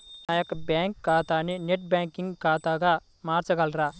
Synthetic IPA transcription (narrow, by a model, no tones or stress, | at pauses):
najɐkbɛːŋkːaːt̪aːnineʈ̚bɛ̃ːŋkiŋkaːt̪aːɡa | maːɾt͡ʃɐɡɐlɾaː